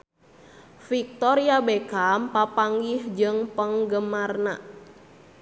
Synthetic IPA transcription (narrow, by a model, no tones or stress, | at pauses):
fik̚t̪ɔɾiabekampapaŋɡihd͡ʒɨŋpəŋɡəmarna